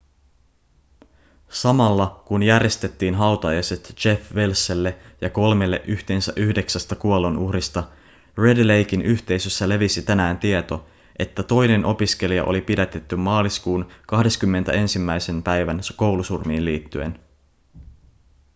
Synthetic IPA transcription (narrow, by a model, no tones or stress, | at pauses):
sɑmɑlːɑkunjærje̞st̪e̞t̪ːiːnɦɑwt̪ɑjɑset̪t͡ʃe̞fʋelsːelːejɑko̞lme̞lːe̞̰ʔyçt̪e̞ːnsæʔyhde̞ksæst̪ɑkuolːonʔuhɾist̪ɑ | re̞dle̞jk̟inyçt̪e̞jsø̞sːæle̞ʋisit̪ænæːnt̪iet̪o̞ | ʔe̞t̪ːæt̪o̞jne̞nʔo̞pisk̟e̞liɑ̰ʔo̞̰lipidæt̪e̞t̪ːymːɑːliskuːnkɑhde̞skymːent̪æe̞nsimːæjse̞npæjʋænko̞wlusurmiːnliːt̪ːye̞̰n